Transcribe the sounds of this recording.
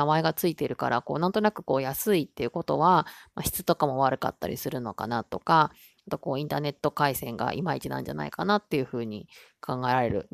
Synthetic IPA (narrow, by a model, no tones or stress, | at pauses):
amae̞ɡat͡sɨit̪e̞ɾɯ̟ka̰ɾako̞ːnãnt̪o̞nakɯ̟̥ko̞ːjasɨit̪ːe̞jɯ̟ko̞t̪o̞βamaɕi̥t͡sɨ̥t̪o̞kamo̞β̞aɾɯ̟ka̰t̪ːa̰ɾʲḭsɨɾɯ̟no̞ka̰nat̪o̞ka | at̪o̞ko̞ːĩnt̪aːne̞t̪ːo̞kaisẽ̞ŋɡa̰ʔimait͡ɕinã̰ɲ̟d͡ʑa̰na̰ikanat̪ːe̞jɯ̟ɸɯ̟ːɲ̟ikʰãŋɡae̞ɾaɾe̞ɾɯ̟̰